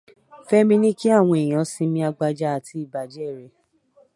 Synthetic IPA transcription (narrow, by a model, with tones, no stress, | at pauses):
fɛ˦mĩ˦nĩ˦ki˦a˦˨w̃ɔ̃˧e˨j̃ã˨˦sĩ˧mĩ˧a˧ɡ͡ba˧d͡ʒa˦a˧˨tʰi˧˦i˦˨ba˨d͡ʒɛ˦˨ɾɛ˨